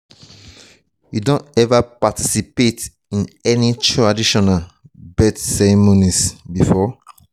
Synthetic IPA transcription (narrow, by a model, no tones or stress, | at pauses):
judõntɛvapatisipet | ĩnɛnitʰɹadiʃɔnalbɛtsɛɹimonisbifɔ